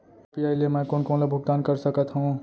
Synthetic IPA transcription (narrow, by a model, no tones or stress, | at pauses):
piajlemɛ̃konkonlebʱuɡ̚d̪aːnkəɾsəkət̪ɦũ